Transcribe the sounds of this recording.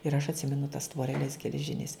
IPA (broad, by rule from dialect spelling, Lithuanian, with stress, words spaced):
ɪr ɐʃ ɐtʲˈsʲɪmʲɛnʊ tɐs tʋoːrʲɛˈlʲɛs ɡʲɛlʲɛˈʒʲɪnʲɪs